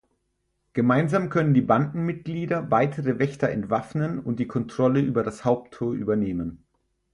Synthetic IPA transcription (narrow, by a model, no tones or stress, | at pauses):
ɡ̥əmaɪnzaːmkʰœnəndiːbandn̩mɪt̚ɡ̥liːdɐvaɪtʰəʁəvɛçtɐɛ̰ntv̥afnənʊnt̚d̥iːkʰɔntʁ̥ɔləʔyːbɐɾashaʊp̚tʰːoːɐʔy̰ːbɐneːmən